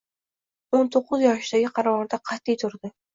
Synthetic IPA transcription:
ont̪ʰoqʰːɨzjɒʃd̪aɡʲɪqʰɑɾavɒɾd̪aqʰɑt̪ːijt̪ʰʊɾd̪ɪ

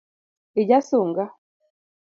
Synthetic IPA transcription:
iɟasuːŋɡa

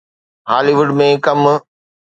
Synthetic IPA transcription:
haːliʋʊɖmẽkɐm

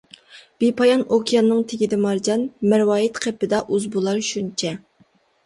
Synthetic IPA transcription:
b̥epʰɑjɑnokʲʰijɑnːɨŋt̪ʰɪɡʲid̪ɛmɑɾd͡ʒɑnmæɾwɑːjit̪qʰepːɪd̪ɑʔuzbulˠɑɾʃunt͡ʃʰɛ

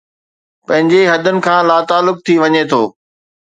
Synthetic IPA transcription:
pɐ̃ɦɪ̃ɲd͡ʑeɦɐd̪ʱʊnɪ̆kʰãːlaːt̪aːlːʊk̚t̪ʰiʋɐɲet̪ʰoː

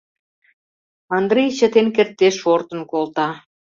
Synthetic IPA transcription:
ɑnd̪ɾejt͡ɕə̆t̪enkert̪ːeʃort̪ə̆nkolt̪ɑ

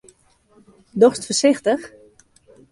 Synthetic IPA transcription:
dɔxstfərsɪxtəx

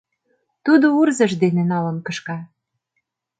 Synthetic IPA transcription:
t̪ud̪ourzɤ̆ʃd̪enenɑlɤ̆nkɤ̆ʃkɑ

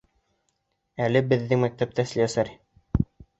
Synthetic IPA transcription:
ælɘbɘ̆ðːɘŋmæk̚t̪æp̚t̪æslʲiæsæɾ

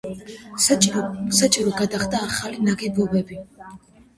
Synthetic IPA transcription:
sat͡ʃʼiɾɔɡad̪aχd̪aːχalinaɡibɔbɛbi

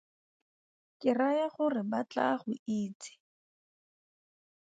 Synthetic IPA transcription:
kʼɪrajaχʊrɪbat͡ɬa̰χʊiːt͡sɪ̥

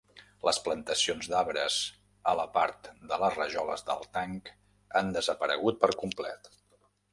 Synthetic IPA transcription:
ləsplənt̪əsionzd̪aβɾəz | ələpaɾt̪d̪ələzrəʒɔlə̰zd̪ə̰lˠt̪aŋk | and̪əzəpəɾə̰ɣ̞ut̪̚pəɾkumplɛt̪

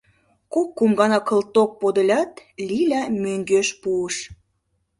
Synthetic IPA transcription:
kokːumɡɑnɑkə̆lt̪ok̚pod̪əlʲɑt̪lʲilʲæmøŋɡøʃpuəʃ

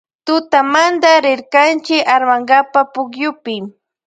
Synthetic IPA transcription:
t̪ʊt̪amand̪aɾɪɾkant͡ʃɪkaɾmaŋɡapapʊkjʊpɪ

